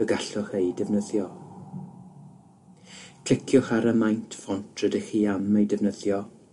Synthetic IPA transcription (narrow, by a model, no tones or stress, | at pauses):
əɡaɬɔχejdɛvnəðjɔ | kʰɪkʰjɔχaɾəmajntʰfɔntʰrədəχiːamejdɛvnəðjɔ